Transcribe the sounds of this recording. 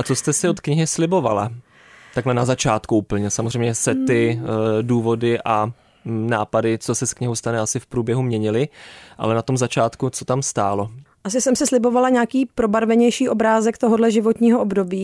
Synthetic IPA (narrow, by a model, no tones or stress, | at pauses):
ʔat͡so̞st̪ɛsɪot̪kɲɪɦɪslɪbo̞va̰la | t̪aɡlɛnazat͡ʃaːt̪kuuːpl̩ɲɛsamozrɛjmɲɛsɛt̪ɪduːvo̞dɪʔa | naːpadɪt͡sosɛskɲɪɦowst̪anɛasɪfpɾuːbjɛɦumɲɛɲɪlɪʔa̰lɛnat̪o̞mzat͡ʃaːt̪kut͡sot̪amst̪aːlo̞ʔas̬ɪsɛmsɪslɪbo̞valaɲaːkiːpɾo̞baɾvɛɲɛjʃiːʔo̞bɾaːzɛkt̪oɦodlɛʒɪvo̞t̪ɲiːɦoʔobdo̞biː